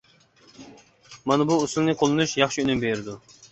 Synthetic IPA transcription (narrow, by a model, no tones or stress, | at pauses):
mɑnɨbuːsulˠnɨqʰolˠɨnuʃjɑχʃiynymbeɾɪd̪u